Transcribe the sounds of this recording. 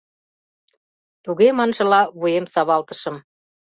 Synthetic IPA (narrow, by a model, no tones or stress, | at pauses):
t̪uɣemɑnʒɤ̆lɑβujemsɑβɑlt̪ə̥̆ʃɤ̆m